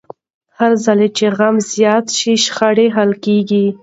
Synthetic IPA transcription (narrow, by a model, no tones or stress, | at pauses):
haɾzalet͡ʃeɣamzjɑt̪ʃiʃxaɽeɦalkeɡi